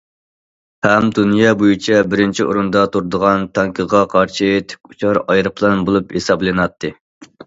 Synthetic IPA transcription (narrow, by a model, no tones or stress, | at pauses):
hɛmd̪unjɑbojit͡ʃʰɛbɪɾɪnt͡ʃʰiʔo̰ɾund̪ɑt̪ʰuɾd̪əʁɑnt̪ʰɑŋkʲʰəʁɑqʰɑɾʃɨt̪ʰɪ̥kʲu̥t͡ʃʰɑɾɑjɾɨplˠɑnbolˠuphesɑblˠɨnɑt̪ʰːɨ